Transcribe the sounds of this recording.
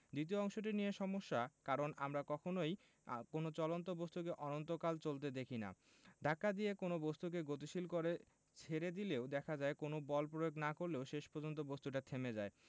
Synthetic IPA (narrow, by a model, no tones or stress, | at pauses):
d̪it̪̬ioɔŋʃoʈ̬inijeʃɔmoʃːakaɾonamɾakɔkʰonoj | konot͡ɕɔlont̪̬obost̪ukeʔɔnont̪okalt͡ɕolt̪̬ed̪ekʰina̰ | ɖʱakːad̪iekonobost̪uk̬eɡot̪̬iʃilkoɾe | t͡ɕʰeɾed̪ileod̪ɛkʰad͡ʑaekonobɔlpɾojoɡnakoɾleoʃeʃpɔɾd͡ʑont̪̬obost̪uʈ̬at̪ʰemed͡ʑae